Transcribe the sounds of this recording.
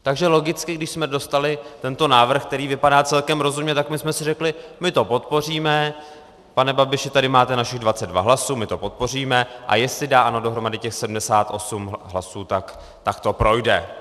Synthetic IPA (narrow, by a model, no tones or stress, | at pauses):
t̪aɡʒɛlo̞ɡɪt͡skɪɡdɪʃsmɛdo̞st̪alɪt̪ɛnt̪o̞naːvr̩xk̚t̪ɛɾiːvɪpadaːt͡sɛlkɛmɾo̞zumɲɛt̪akmɪsmɛsɪrɛklɪmɪt̪o̞po̞t̪po̞r̝iːmɛ | panɛbabɪʃɪt̪adɪmaːt̪ɛnaʃɪɣdvat͡sɛd̪dva̰ɦlasuːmɪt̪o̞po̞t̪̚po̞riːmɛʔa̰jɛst̪lɪdaːʔano̞do̞ɦɾo̞madɪcɛxsɛdm̩dɛsaːt̪ʔo̞sumɦlasuːt̪ak | t̪akt̪o̞pɾo̞jdɛ̰